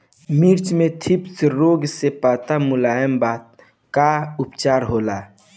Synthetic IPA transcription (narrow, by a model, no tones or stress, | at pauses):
miɾt͡ʃmẽt̪ʰɪpsɾoːɡsepaːt̪amʊlaːjəmbaːt̪̚ | kaʊpt͡ʃaːɾɦoːlaː